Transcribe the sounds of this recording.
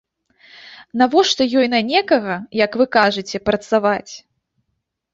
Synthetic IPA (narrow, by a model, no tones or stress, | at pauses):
navɔʂt̪ɔjɔjnɐnʲɛkɐɣɐjɐkvɨkaʐɨt͡sʲɛpɾɐt̪savat͡sʲ